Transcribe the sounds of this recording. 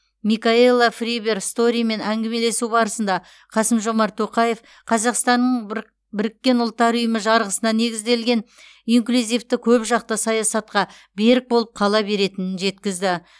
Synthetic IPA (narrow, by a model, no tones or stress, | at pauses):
mikaelˠːafribe̞ɾst̪o̞ɾʲijme̞næŋɡʲeme̞le̞subɑɾəsənd̪ɑ | qʰɑsəmʒo̞mɑɾt̪ʰo̞qɑje̞f | qʰɑzɑqst̪ɑnːəɴ | bɪɾɪkʲːe̞nʊlˠt̪ːɑɾʊjəməʒɑɾʁəsənɑne̞ɡʲɪzd̪e̞lɡʲe̞n | iŋklʲuzʲijft̪ɪkʲʰɵpʒɑq̚t̪əsɑjɑsɑt̪̚qɑ | be̞ɾɪk̚bo̞lˠəp̚qʰɑlˠɑbe̞ɾe̞t̪ɪnɪnʒe̞t̪kʲɪzd̪ɪ